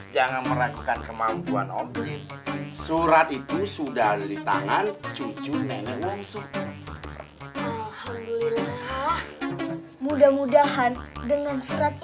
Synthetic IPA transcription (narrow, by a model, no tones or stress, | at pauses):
d͡ʒaŋanməɾakukankəmampua̰nɔ | suɾat̪it̪usudahdadit̪a̰ŋant͡ʃut͡ʃunɛnəwumsu | ʔalhamdulilah | mudahmudaɦandəŋansuɾat̪̚